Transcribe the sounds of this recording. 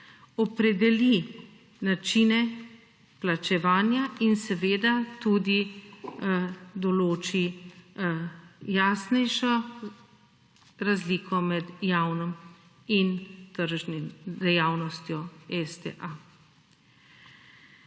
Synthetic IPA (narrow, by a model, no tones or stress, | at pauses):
ɔpɾɛd̪ɛli | nat͡ʃinɛ | plat͡ʃɛʋaːnjainsɛʋeːd̪at̪ud̪i | d̪ɔloːt͡ʃi | jaːsnɛjʃɔ | ɾazlikʰɔmɛd̪jaːwnɔm | int̪əɾʒnimd̪ɛjaːwnɔst̪jɔɛst̪ɛ̰ʔa